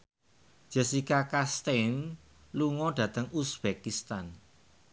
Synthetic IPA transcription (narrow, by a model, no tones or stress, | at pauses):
d͡ʒ̥ɛ̤sikakast̪en | luŋɔɖ̥ä̤t̪əŋusb̥ekist̪an